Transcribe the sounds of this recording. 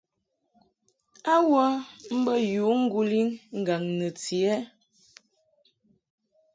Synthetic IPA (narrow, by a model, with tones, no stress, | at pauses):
a˦wɔ˦m̩˦bə˦ju˨˦ŋ̩˦ɡu˦li˦ŋŋ̩˨ɡa˨ŋnə˨ti˨ɛ˦